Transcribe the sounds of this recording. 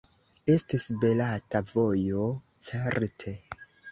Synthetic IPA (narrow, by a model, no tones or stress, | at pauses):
e̞stisbe̞latavo̞jo̞ | t͡seɾtʰe̞